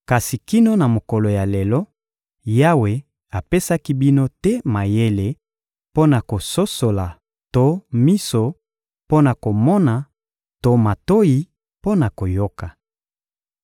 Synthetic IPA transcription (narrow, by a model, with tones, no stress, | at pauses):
ka˨si˨ki˦no˦na˨mo˨ko˨lo˨ja˨le˨lɔ˦ | ja˦we˨ | a˨pe˦sa˦ki˦bi˦no˦tɛ˦ma˨je˦le˦ | po˦na˨ko˨so˦so˨la˨ | to˦mi˦so˨ | po˦na˨ko˨mɔ˦na˨ | to˨ma˨to˦ji˦ | po˦na˨ko˨jo˦ka˨